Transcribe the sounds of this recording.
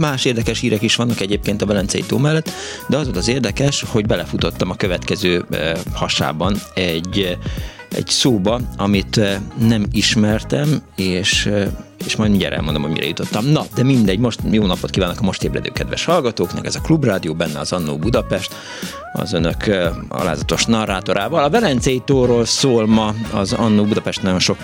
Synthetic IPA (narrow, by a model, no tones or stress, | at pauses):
maːʃeːrd̪ɛkɛʃhiːɾɛkiʃʋɒnːɒkɛɟeːp̚keːnt̪ɒvɛlɛnt̪sɛjḭt̪oːmɛlːɛt̪ː | d̪ɛɒzolt̪ɒzeːrd̪ɛkɛʃho̞ɟbɛlɛfut̪o̞t̪ːɒmɒkøvɛt̪kɛzøːhɒʃa̰ːbɒnɛɟ | ɛ̰ɟsoːbɒɒmit̪nɛmiʃmɛrt̪ɛmeːʃeːʃmɒjd̪iɲɟa̰ɾɛ̰lmond̪omhoɟmḭɾʔɛ̰jut̪o̞t̪ːɒmnɒd̪ɛmind̪ɛɟːmo̞ʃt̪joːnɒpot̪̚kiːvaːnːɒkɒmo̞ʃt̪eːblɛ̰d̪ø̰ːkɛd̪ʋɛ̰ʃhɒlɡɒt̪oːknɛ̰kɛzɒklubraːd̪ijoːbɛnːɛɒzɒnːṵːbud̪ɒpɛʃt̪ | ɒ̰zønøkɒ̰la̰ːzɒt̪o̞ʃnɒrːaːt̪o̞ɾʔaːvɒlɒvɛlɛnt̪sɛjit̪oːroːlsoːlmɒɒzɒnːuːbud̪ɒpɛʃt̪nɒɟo̞nʃo̞k